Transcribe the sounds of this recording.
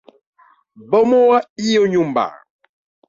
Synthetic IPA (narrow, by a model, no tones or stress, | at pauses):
bɔmɔwaijoɲumba̰